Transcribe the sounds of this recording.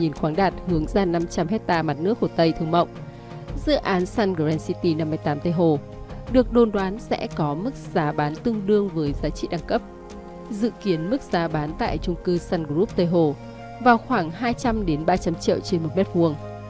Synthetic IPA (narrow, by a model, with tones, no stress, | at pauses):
ɲi˨˩nxwaː˨˦ŋɗaː˨˩t̚hɨ˨˦əŋzaː˧˩na˧mt͡ɕa˧mɦɛ˦˥k̚t̪aː˧ma˨˩t̚nɨ˦˥ək̚fo˧˩t̪ə˧jt̪ʰɨ˧əŋmə̰˧˨wŋ͡m | zɨ̰˧˥ʔaː˨˦nsa˧nɣo˧˩zɛ˧nsi˧t̪i˧na˧mːɨ˧əjt̪aː˨˦mt̪ə˧jɦo˨˩ | ɗɨ˨˩ək̚ɗo˨˩nɗwaː˨˦nsɛ̰˧˥kɔ˨˦mɨ˦˥k̚z̥aː˨˦ɓaː˨˦nt̪ɨ˧əŋɗɨ˧əŋvəː˨˦jzaː˨˦t͡ɕḭ˧˨ɗa˨˩ŋkə˦˥p̚ | zɨ̰˧˨ki˨˦ənmɨ˦˥k̚z̥aː˨˦ɓaː˨˦nt̪a̰ː˧˨jt͡ɕʊ˧ŋ͡mkɨ˧saː˧nɡzu˦˥p̚t̪ə˧˩jɦo˨˩ | vaː˨˩wxwaː˧˩ŋɦaː˧jt͡ɕa˧mɗe˨˦nɓaː˧t͡ɕa˧mt͡ɕḭ˧˨əwt͡ɕe˧nmo˨˩t̚mɛ˦˥t̚vu˧əŋ